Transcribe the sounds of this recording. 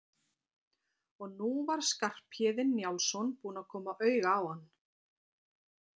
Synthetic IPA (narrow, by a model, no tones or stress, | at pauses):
ɔɣnuvaɾ̥skar̥pʰjɛðɪnːjawlsɔnpuːnakʰɔːmaʔœːɥɣaːwhanː